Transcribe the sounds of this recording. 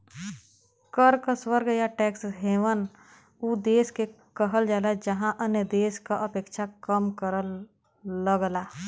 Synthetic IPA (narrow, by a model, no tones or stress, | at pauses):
kəɾkaswəɾɡəjaʈɛːksɦeːʋən | uːd̪eːske | kəɦəld͡ʒaːlad͡ʒəɦãʔənjəd̪eːskaʔəpeːkʃʰakəmkəɾəlː | əɡlaː